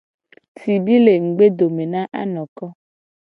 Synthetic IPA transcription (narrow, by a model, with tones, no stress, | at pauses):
ti˨bi˦le˨ŋ̩˨ɡ͡be˦do˨me˨nã˦ʔa̰˦nɔ̃˨kɔ˦